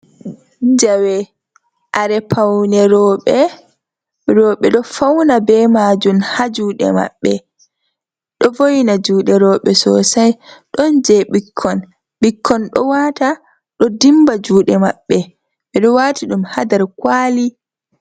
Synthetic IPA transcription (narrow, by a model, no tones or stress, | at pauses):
d͡ʒawɛ | ʔaɾɛpʰawnɛɾɔɓɛ | ɾɔːɓɛɗɔfawnabɛmaːd͡ʒumhad͡ʒuːɗɛ̰ma̰ɓːɛ | ɗɔvojnad͡ʒuːɗɛɾɔːɓɛsɔ̰sajɗɔnd͡ʒɛɓikʰːɔn | ɓikʰːɔnɗɔ̰waːta | ɗɔdimbad͡ʒuːɗɛmaɓːɛ | ɓɛɗɔwaːtʰiɗumhadaɾkwaːli